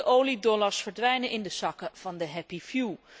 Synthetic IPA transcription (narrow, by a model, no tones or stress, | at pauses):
əʔowlidɔlaɹsfəɹdʋɛjnənʔɪndəsɑkəv̥ɑndəɦɛpifju